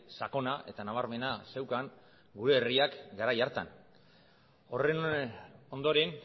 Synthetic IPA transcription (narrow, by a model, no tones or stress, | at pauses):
sako̞naʔe̞̰t̪anaβ̞aɾme̞nase̞wkaŋ | ɡuɾe̞ːriakɡaɾajaɾt̪a̰n | o̞re̞no̞nd̪o̞ɾen